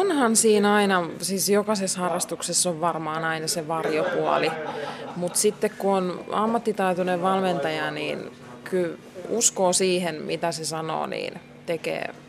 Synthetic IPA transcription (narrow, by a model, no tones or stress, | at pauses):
onhɑnsiːnɑinɑsiːsjokɑseshɑrːɑst̪uksesːoʋʋɑrmɑːnɑinɑseʋɑrjopuɑ̰limut̪sit̪ːekkuonɑmːɑt̪ːit̪ɑit̪uneʋʋɑlment̪ɑjɑniːn | kyl | uskoːsiːhenmit̪æsesɑno̰ːnḭːn | t̪ekḛː